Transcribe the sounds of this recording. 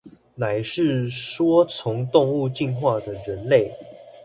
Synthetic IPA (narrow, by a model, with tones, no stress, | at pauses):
na˨˩ɪʂɻ̩˥˩ʂwɔ˥t͡sʰʊ˧˦ŋt̪ʊ˥˧ŋu˥˧t͡ɕi˥˧nxwa˥˩d̪ə˩ɻə˨˦nle˥˨˩ɪ